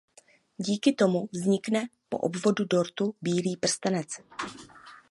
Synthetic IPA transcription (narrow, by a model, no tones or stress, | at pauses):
ɟiːkɪt̪o̞muvzɲɪknɛpo̞̰ʔobvo̞dudo̞ɾt̪ubiːliːpr̩st̪ɛnɛt͡s